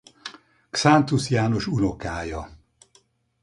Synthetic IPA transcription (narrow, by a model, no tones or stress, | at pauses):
ksant̪usjaːno̞ʃuno̞kaːjɒ